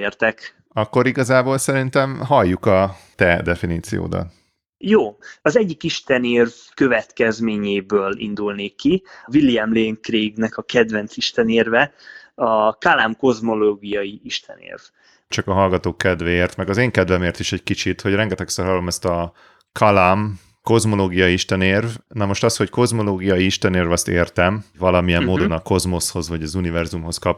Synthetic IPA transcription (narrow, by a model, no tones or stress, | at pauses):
eːrt̪ɛk | ɒkːo̞ɾiɡɒzaːboːlsɛɾint̪ɛmɦɒjːukɒ | t̪ɛd̪ɛfiniːt̪sḭjo̰ːd̪ɒ̰n | joːɒzɛɟːikiʃt̪ɛneːrv | kø̞vɛt̪kɛzmeːɲeːbøːlḭnd̪ulneːkːivilːiɛmleːŋkreːɡnɛkɒkɛd̪vɛnsiʃt̪ɛneːrvɛɒkalaːmko̞zmoloːɡijɒjiiʃt̪ʰɛ̰nḛːrv | t͡ʃɒkɒɦɒlɡɒt̪oːkːɛd̪vɛeːrt̪mɛɡɒzeːŋkɛd̪vɛmeːrt̪iʃɛɟkit͡ʃit̪ho̞ɟrɛŋɡɛt̪ɛksɛrɦɒlomɛst̪ɒ | kʰɒlaːm | ko̞zmo̞loːɡijɒjiiʃt̪ɛneːrvnɒmo̞ʃt̪ɒsho̞cko̞zmo̞loːɡijɒjiiʃt̪ɛneːrvɒst̪eːrt̪ɛmvɒlɒmijɛmmoːdd̪o̞nɒko̞zmo̞sho̞zʋɒɟɒzunivɛrzumɦo̞skɒp